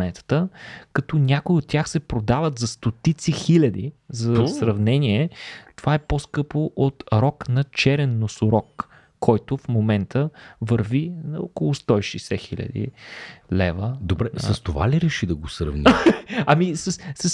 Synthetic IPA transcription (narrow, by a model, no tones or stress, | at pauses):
nɛt̪ə̥t̪əkɐt̪ɔnʲakʊiot̪̚tːʲaxsɛpɾod̪avət̪zɐst̪ot̪it̪sixilʲɐd̪izɐsɾɐvnɛniɛt̪ovaɛposkɤpoʔot̪ɾɔknɐt͡ʃɛɾɛnːosʊɾɔkː | ɔjt̪ʊfmomɛnt̪ʰəvəɾvinɐokolˠʊst̪ɔiʃɛjsɛxilʲɐ̰d̪ḭlɛvəd̪obɾɛsɐst̪ova̰lʲiɾɛʃid̪ɐɡosɾɐ̰vniɐmisəssɐs